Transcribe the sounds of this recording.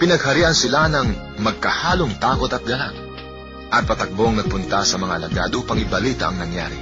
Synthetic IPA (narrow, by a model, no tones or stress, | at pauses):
pɪnɐɡhɐɾiːʔɐnsɪlanɐŋ | mɐɡ̚kɐhaːloŋt̪aːkot̪ɐt̪̚ɡɐlaŋ | ʔɐt̪̚pɐt̪ɐk̚boŋnɐɡ̚pʊnt̪asɐmɐŋa̰ɐlɐɡa̰d̪upɐŋɪbɐliːt̪a̰ʔɐŋnɐŋja̰ːɾi